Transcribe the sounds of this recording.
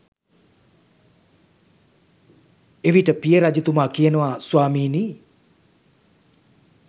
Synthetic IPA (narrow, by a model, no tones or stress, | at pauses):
eʋiʈəpijəɾad͡ʒut̪umaːkijənəʋaswaːmiːniː